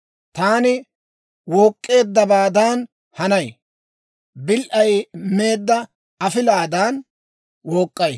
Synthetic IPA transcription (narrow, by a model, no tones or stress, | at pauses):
t̪aːnɪ | woːkʼːe̞ːd̪ːɐbaːd̪aːn | hɐnɐj | bɪlʔɐjme̞ːd̪ːɐ | ɐfɪlaːd̪aːn | woːkʼːɐj